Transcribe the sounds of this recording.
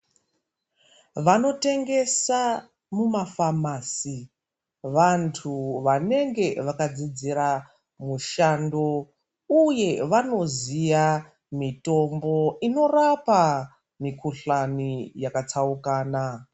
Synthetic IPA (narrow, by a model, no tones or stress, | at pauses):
ʋano̞te̞ŋɡe̞sa | mumafamaːsi | ʋantʰuʋane̞ŋɡe̞ʋakad͡zid͡ziɾa | muʃando̞ | uje̞ʋano̞zija | mito̞mbo̞ino̞rapa | mikʰuɬanijakat͡saukaːna